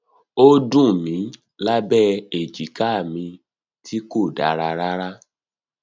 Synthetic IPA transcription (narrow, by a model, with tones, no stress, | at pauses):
o˦dũ˦˨mĩ˨˦ | la˦bɛ˦e˨d͡ʒi˨˦ka˦˨mĩ˧ | tʰi˦ko˦˨da̰˨˦ɾa˧ɾa˦ɾa˦